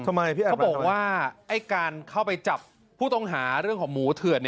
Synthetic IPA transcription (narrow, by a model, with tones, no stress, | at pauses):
t̪ʰa˧ma˧jpʰiː˥˩a˨˩˥bɔː˨˩kwaː˥˩ʔa˥˩jkaː˧nkʰa˥˩wpa˧jt͡ɕa˨˩pʰː | uː˥˩t̪ɔ˥˩ŋɦaː˩˦ɾɯ˥˩əŋkʰɔː˩˦ŋmuː˩˦t̪ʰɯ˨˩ən˧